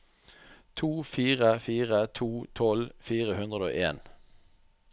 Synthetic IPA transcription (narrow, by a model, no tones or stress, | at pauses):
t̪ʰuːfiːʁəfiːʁət̪ʰuːt̪ʰɔlfiːʁəhʉnd̪ʁəd̪o̰ːʔeːn